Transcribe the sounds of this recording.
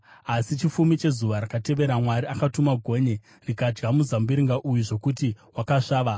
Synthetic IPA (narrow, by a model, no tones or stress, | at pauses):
asit͡ʃifumit͡ʃe̞zuʋaɾakate̞ʋe̞ɾamwaɾiakatumaɡʱo̞ːɲe̞ | rikad͡ʒɡamuzambiɾiŋɡaʔujuʐo̞kuti | wakaʂaːʋa